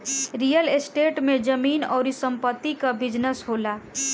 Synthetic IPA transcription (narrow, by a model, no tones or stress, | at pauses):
ɾijəlesʈeʈmed͡ʒəmiːnɔ̰ːɾisəmpət̪ːikabɪd͡ʒnəsɦola